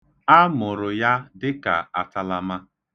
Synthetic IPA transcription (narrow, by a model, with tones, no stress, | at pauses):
a˦mʊ˨ɾʊ˨ja˦dɪ˦ka̰˨a˨ta˦la˦ma˦